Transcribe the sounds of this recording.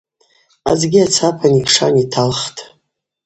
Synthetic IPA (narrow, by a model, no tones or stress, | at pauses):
a̰zɡʲiat͡sʰapʰanipʰʂanitʰalχtʼ